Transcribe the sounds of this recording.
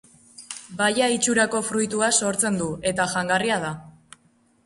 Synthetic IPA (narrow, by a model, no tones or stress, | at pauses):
bajait͡ʃuɾako̞fɾujt̪uaso̞ɾt͡se̞nd̪ue̞t̪aʝaŋɡariað̞a